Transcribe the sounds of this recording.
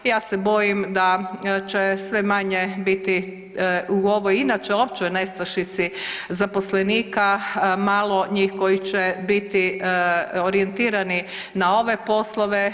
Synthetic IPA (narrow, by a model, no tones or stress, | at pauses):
jaːsebo̞jimd̪at͡ʃesʋe̞maɲebit̪i | uo̞ʋojinat͡ʃeop̚t͡ʃeojne̞st̪aʃit̪sizaposleniːkamaːlˠo̞ɲiːxko̞jit͡ʃebit̪i | oɾient̪iːɾani | nao̞ʋe̞po̞slˠoʋe